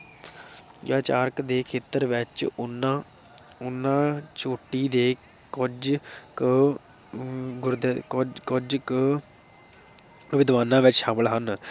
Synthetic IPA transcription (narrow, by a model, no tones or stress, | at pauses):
jaːt͡ʃaːɾkd̪eːkʰeːt̪əɾʋɪt͡ʃnã | ʊnːãːt͡ʃoːʈːiːd̪eː | ʊd͡ʒk | ɡʊɾd̪kʊd͡ʒkə | ʊʋɪd̪ʋaːnãːʋɪt͡ʃʃãːməlɦən